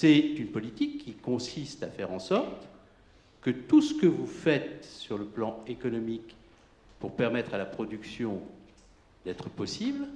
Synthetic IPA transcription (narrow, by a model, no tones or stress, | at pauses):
sɛt̪ynpɔlit̪ikʰʲːikɔ̃sist̪afɛʁɑ̃sɔʁt̪ | kət̪usə̥kəvufɛt̪syʁləplɑ̃ekɔnɔmik | puʁpɛʁmɛt̪χalapχɔd̪yksjɔ̃ | d̪ɛt̪χəpɔsibl